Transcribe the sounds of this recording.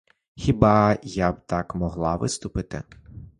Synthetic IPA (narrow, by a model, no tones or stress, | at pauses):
xʲibɑjabt̪ɑkmɔɦlˠɑʋɪst̪ʊpɪt̪ɪ̰